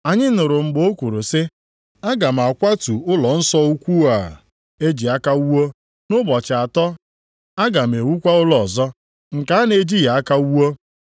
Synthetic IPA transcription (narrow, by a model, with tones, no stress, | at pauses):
a˨ɲɪ˦nʊ˨ɾʊ˨ŋ͡m̩˨ɡ͡bo˦kʷu˨ɾu˨sɪ˦ | a˦ɡa˨m̩˨a˨kʷa˦tu˨ʊ˦lɔ˨n̩˦sɔ˦u˦kʷu˦a˨ | e˦d͡ʒi˨a˦ka˦u˦wo˦ | nʊ˦bɔ˨t͡ʃɪ˨a˨tɔ˦ | a˦ɡa˨m̩˨e˨wu˦kʷa˦ʊ˦lɔ˨zɔ˦ | ŋ̩˨ka˨a˦ne˨d͡ʒi˦ja˨a˦ka˦u˦wo˦